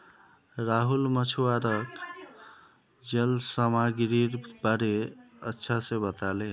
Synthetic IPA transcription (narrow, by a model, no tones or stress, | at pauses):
ɾaɦulmət͡ʃʰuwaɾək | d͡ʒelsəmaɡɾiɾbaɾe | ətːʃʰasẽbət̪ale